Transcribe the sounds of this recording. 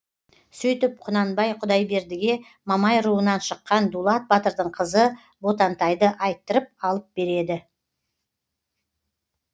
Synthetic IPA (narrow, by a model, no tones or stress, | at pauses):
sɵjt̪ɪp̚qʰʊnɑnbɑjqʰʊd̪ɑjbe̞ɾd̪ɪɡʲe̞ | mɑmɑjɾuənɑnʃəqːɑnd̪ulˠɑt̪̚bɑt̪əɾd̪əɴqʰəzə | bot̪ɑnt̪ɑjd̪əʔɑjt̪ːəɾəp̚ɑlˠəp̚be̞ɾe̞d̪ɪ